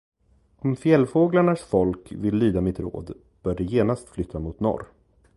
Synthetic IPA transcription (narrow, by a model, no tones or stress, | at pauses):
ɔmfjɛlfoːɡlaɳaʂfɔlkvɪlːyːd̪amɪt̪ɾo̰ːd̪ | b̥œːɖɛjeːnast̪flʏt̪ʰːamʊt̪nɔ̰ɾ